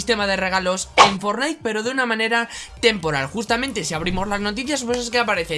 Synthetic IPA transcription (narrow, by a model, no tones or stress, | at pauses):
st̪e̞mað̞e̞re̞ɣ̞alo̞seɱfo̞ɾnajk̚pe̞ɾo̞ðeunamãne̞ɾat̪e̞mpo̞ɾa̰lxust̪amẽ̞nt̪esiaβ̞ɾimo̞zlazno̞t̪̬iθjaspweses̬keapaɾe̞θe